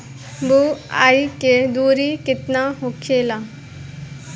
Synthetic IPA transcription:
bua̰ːiked̪uːɾikɪt̪naɦokʰeːla

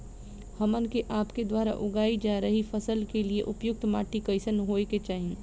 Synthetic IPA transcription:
hɐmənkeʔaːpked̪waːɾa̰ʔʊɡaːid͡ʒaːɾəɦifɐsəlkelieʔʊpjʊk̚t̪maːʈikɐɪsənɦoːeket͡ʃaːɦẽː

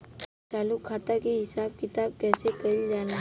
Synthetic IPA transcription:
t͡ʃaːlukʰaːt̪akeɦɪsaːb̚kɪt̪aːb̚kɛːsekɐild͡ʒaːna

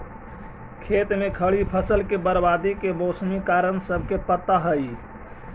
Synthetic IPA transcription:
kʰet̪mekʰəɭipʰəsəlkebəɾbad̪ikebosmikaɾənsəbʱkepət̪ːaɦəi

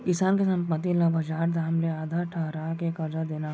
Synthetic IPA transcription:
kɪsaːnkesanpɐt̪̬ilabʱɐd͡ʒaːɾd̪aɦɐmleaːd̪ʱaʈʰɐɦɾaːkekɐɾd͡ʒad̪eːna

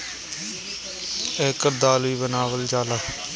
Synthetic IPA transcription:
ɛːkəɾd̪aːliːbənaːʋəld͡ʒaːlaː

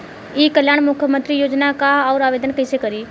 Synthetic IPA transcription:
iːkəljaːɽmʊkʰjəmə̃nt̪ɾijoːd͡ʒnakaɔːɾaːʋeːd̪ənkəɪsekəɾiː

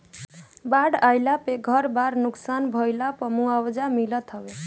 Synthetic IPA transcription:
baɽajlapeɡʱʌɾbaɾnuksanbʱʌjlapəmuawd͡ʒamilʌt̪ɦʌbe

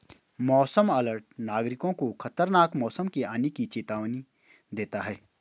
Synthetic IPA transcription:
mɔːsəmɐləɾʈ̚naːɡɾɪkõkoxʰɐt̪əɾnaːkmɔːsəmkiaːnikit͡ʃeːt̪aːʋni | d̪eːt̪aɦɛː

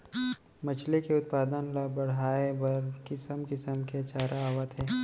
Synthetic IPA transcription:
mɐt͡ʃʰlekeʊt̪̚paːd̪ənlabɐɽ̤aːebɐɾkɪsəmkɪsəmket͡ʃaːɾaaːʋət̪ɦɛː

